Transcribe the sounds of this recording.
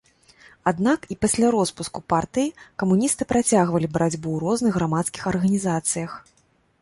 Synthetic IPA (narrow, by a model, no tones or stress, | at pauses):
ad̪nakipasʲlʲaɾɔspuskupart̪ɨjikɐmunʲist̪ɨpɾʔat͡sʲaɣvɐlʲibɾad͡zʲbuwɾɔznɨɣːɾamat̪skʲixɐrɣɐnʲizat̪sɨjɐx